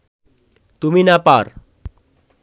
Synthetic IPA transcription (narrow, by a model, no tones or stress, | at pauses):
t̪uminapaɾ